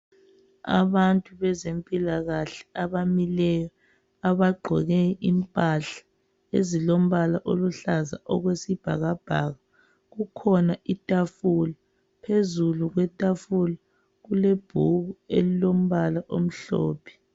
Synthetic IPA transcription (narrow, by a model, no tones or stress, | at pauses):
a̰βantʼuβɛzempʼilaɣaɬɛ̥aβamilɛjɔ | aβaɡ͡ǃʱɔɣɛimpʼaɬḁ | ḛzilom̩βalaʔoluɬaza̰ʔɔɣwesib̥ʱa̰ɣab̥ʱaːɣa | ɣukʰɔnaʔitʼafula | pʰezuluɣwɛtʼafula | ɣuleb̥ʱuɣuelilom̩βalaʔom̩ɬɔ̰ːpʰɛ̥